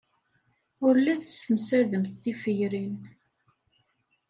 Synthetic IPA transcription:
ʊɾlːæθəsəmsæðəmθθifəjɾin

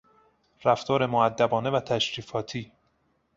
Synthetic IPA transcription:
ɾæft̪ʰɒːɾe̞moæd̪ːæbɒːnevæt̪ʰæʃɾiːfɒːt̪ʰiː

